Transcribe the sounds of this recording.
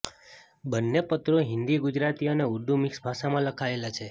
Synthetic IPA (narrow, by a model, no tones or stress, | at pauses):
bənːepət̪ɾoɦɪnd̪iɡud͡ʒɾat̪iəneuɾd̪umiksbʱaʃamãləkʰaelat͡ʃʰe